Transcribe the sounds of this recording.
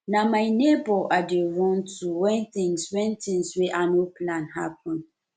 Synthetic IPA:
namaɪnebɔʔadewɔ̃ntʰuwɛ̃nt̪ĩŋswɛ̃ntĩŋswɛʔanopʰlãnɦa̰pʰɔ̃n

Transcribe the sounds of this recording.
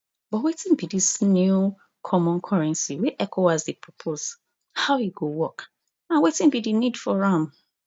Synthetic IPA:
b̥ɔtwetĩnbidisnju | kʰɔmɔ̃nkʰɔɹɛ̃nsiwiʔɛkʰoazdipʰɹɔpʰoz | haʊiɡowɔk | ãnwetĩnbidinidfɔɹãm

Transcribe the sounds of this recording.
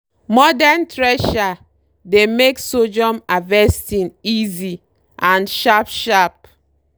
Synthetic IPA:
mɔdantɹɛʃa | demeksod͡ʒɔ̃mavɛstĩnizi | ʔãnʃapʃap̚

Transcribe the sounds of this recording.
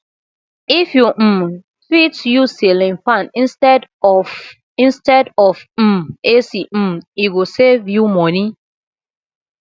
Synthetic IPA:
ifju | fitjusilĩnfãnĩnstɛd | ĩnstɛdɔfm̩esim̩iɡosevjumɔ̃ni

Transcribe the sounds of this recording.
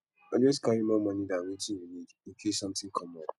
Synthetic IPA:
anɔ̃skaɾimɔ̃mãnĩdãwĩtĩɾimed͡ʒŋ̩kʰesɔ̃mtɪ̃ŋkʰɔmɔ̃n

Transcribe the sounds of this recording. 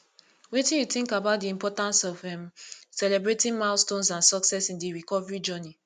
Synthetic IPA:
wetĩjuθĩŋkabaʊt̚diĩmpɔtãnsɔvɛ̃msɛlɛbɹetĩnmãʊstõnsãnsɔksɛsĩndiɹikɔvɛɹid͡ʒɔni

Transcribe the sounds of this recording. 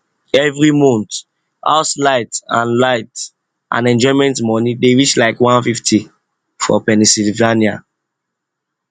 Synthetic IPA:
ɛvɾimɔ̃nt | a̰ʊtlaɪtã̰nlaɪt | ʔã̰nɛ̃nd͡ʒɔɪmɛ̃ntmɔnideɹit͡ʃlaɪkwãnfiftʰi | fɔ̰pɛnisilvania

